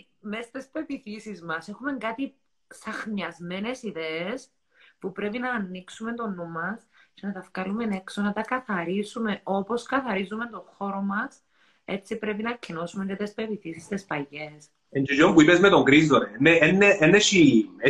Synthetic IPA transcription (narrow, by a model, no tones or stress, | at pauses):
mest̪espe̞piθisizmɐse̞xume̞ŋɡɐt̪i | sɐxniɐzme̞ne̞siðees | pupɾe̞pinɐːnːiksume̞nt̪o̞numɐs | ce̞nɐt̪ɐfkɐlume̞ne̞ksonɐt̪ɐkɐθɐɾisume̞o̞po̞skɐθɐɾizume̞nt̪o̞xo̞ɾo̞mɐs | e̞̰t͡sːipɾe̞pinɐcʰːino̞sumeɲcet̪espe̞piθisist̪espɐʝes | end͡ʒid͡ʒompuipezmet̪oŋɡɾizðoɾenːeenːeenːeʃi